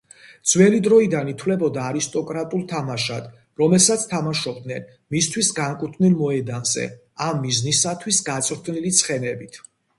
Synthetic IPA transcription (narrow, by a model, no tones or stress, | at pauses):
d̪z̥wɛlid̪ɾɔid̪anit̪ʰwlɛbɔd̪aːɾist̪ʼɔkʼɾat̪ʼulˠt̪ʰamaʃad̪̥ | ɾɔmɛlsat̪sʰt̪ʰamaʃɔb̚d̪nɛn | mist̪ʰwisɡaŋkʼut̪ʰvnilˠmɔɛd̪anzɛ̰ | amːiznisat̪ʰwisɡat̪sʼɾt̪ʰnilit̪sʰχɛnɛbit̪ʰ